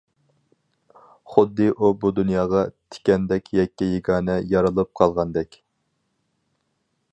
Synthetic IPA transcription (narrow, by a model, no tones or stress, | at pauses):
χʊd̪ːɨʔubud̪unjɑːʁɑt̪ʰɪ̥kʲɛnd̪ɛkʲʰjɛkʲːijeɡɑːnɛjɑɾɨlˠɨp̚qʰɑlˠʁɑnd̪ɛkʲ